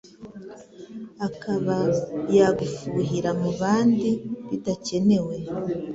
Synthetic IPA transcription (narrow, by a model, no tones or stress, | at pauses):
akaβajaɡufuɦiɾamuβaːndiβitace̞ne̞we̞